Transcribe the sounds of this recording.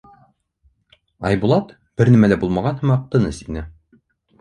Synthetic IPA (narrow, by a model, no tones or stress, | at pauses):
ɑjbulˠɑt̪ | b̥ɘɾnæmælæbulˠmɑʁɑnhɘmɑq̚t̪ɤ̆nɤsinɘ